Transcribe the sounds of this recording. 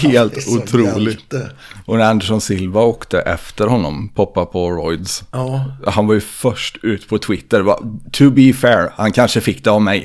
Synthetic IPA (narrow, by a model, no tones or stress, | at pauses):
heːlt̪ʊt̪ʰɾuːlɪ | ʔɔnæɾand̪ɛʂɔnsɪlvaoːkt̪əʔɛft̪əɾhɔnːɔ̰mpʰɔpːapʰɔɾɔjd̪s | hanvajɵfœʂʈʉ̟ːt̪ə̥pʰɔt̪ʰwɪt̪ːəɾva̰t̪ʰɵbifɛːɹhankʰanʂəfɪkːd̪ɛavmɛj